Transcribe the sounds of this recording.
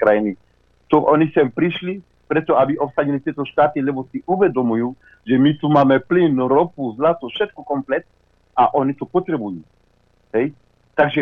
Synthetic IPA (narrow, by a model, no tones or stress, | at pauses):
kɾajni | t̪oʔonisɛmpɾiʃli | pɾɛt̪oabiʔopsaɟ̪ilit̪iet̪oʃt̪at̪ilɛbosiʔuvɛd̪omuju | ʒɛmit̪umamɛplinɾopuzlat̪uʃɛt̪kokomplɛt̪ | aʔonit̪upot̪ɾɛbuju | ɛj | t̪aɡʒɛ